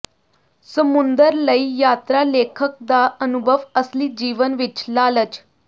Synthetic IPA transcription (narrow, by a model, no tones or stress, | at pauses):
səmund̪əɾləijaːt̪ɾalekʰək̚d̪aʔənubʱəʋəsliːd͡ʑiːʋənʋit͡ʃlaːlət͡ʃ